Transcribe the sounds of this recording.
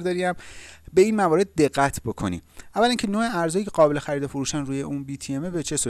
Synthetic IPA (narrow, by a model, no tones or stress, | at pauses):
ɾd̪ɒɾiæmbe̞iːnmævɒːɾe̞d̪̚ːe̞ɢːæt̪ʰbo̞kʰo̞̰nḭːævːæliːŋcʰe̞noːeæɾzɒːjiːcʰe̞ɣɒːbe̞le̞xæɾiːd̪efoɾuːʃænruːje̞ʔuːnbiːt̪ʰiemebe̞t͡ʃʰe̞suː